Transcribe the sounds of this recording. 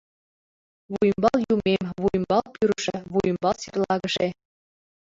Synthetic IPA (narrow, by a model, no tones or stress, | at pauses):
βujmbɑlˠjumemβujmbɑlˠpyɾəʃə̆βujə̆mbɑlsirlˠɑɣəʃe